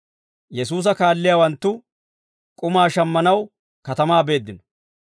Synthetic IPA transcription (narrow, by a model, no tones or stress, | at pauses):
jɛs̬uːs̬ɐkaːlːɪjawɐnt̪ːʊ | kʼʊmaːʃɐmːɐnɐw | kɐt̪ɐmaːbe̞ːd̪ːɪnɔ̥